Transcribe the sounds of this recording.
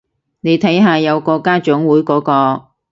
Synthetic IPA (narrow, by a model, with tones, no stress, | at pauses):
ne˨˧jt̪ʰɐ˨˥jɦaː˨jɐ˨˧wkɔː˧kaː˥t͡ʃʊ˨˥ŋwuː˨˥jkɔː˨˥kɔː˧